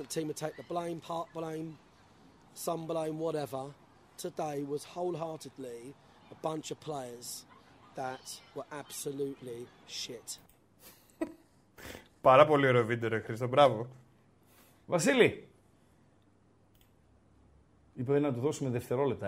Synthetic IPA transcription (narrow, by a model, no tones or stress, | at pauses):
ətʰĩːmətʰeɪk̚ðəblẽɪ̃mpʰɑˑʔ̚b̥lẽɪ̃m | sʌ̃mblẽɪ̃mwɒɾɛvə | tʰədeɪwɒz̥həʊlˠɦɑˑtɪdˡli | əbʌ̃nt͡ʃəv̥pʰl̥eɪəz̥ðətwəɹʔab̥səlʉˑʔliʃɪt | pɐɾɐpo̞lioɾeovid̪eɾoxɾis̬t̪obɾɐvo | vɐsili | ipet̪enɐt̪uθo̞sumeðeft̪e̞ɾolep̚t̪ɐ